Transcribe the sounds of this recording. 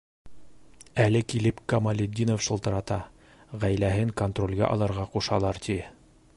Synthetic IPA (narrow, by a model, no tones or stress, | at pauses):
ælɘkilɘpkɐmɐlʲɪd̪ʲːinofʃɤ̆lˠt̪ɤ̆ɾɑt̪ɑ | ʁæjlæɦɘŋkont̪rolʲɡæ̰ʔɑ̰lˠɤ̆ɾʁɑquʃɑlˠɑɾt̪ʰi